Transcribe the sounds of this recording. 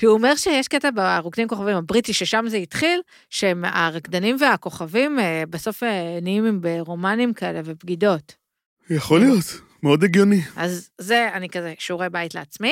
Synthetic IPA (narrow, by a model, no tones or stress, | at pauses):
kiuome̞ʁʃejeʃketabaʁukdimko̞χavimhabʁitiʃeʃamzeitχil | ʃema̰ʁakd̪animve̞ako̞χavimebeso̞feneimimbeʁo̞manimkae̞le̞vepɡido̞t | jaχolijo̞t̪ | meo̞deɡjo̞niazːeanikazeʃuʁebaitleat͡smi